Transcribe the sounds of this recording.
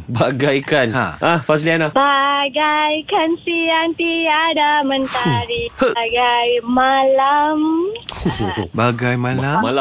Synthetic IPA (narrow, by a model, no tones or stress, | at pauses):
baɡajkanaʔahfas̬ilianabaɡajkansiant̪iadamə̃nt̪aɾiɡajmalam | baɡajmalamala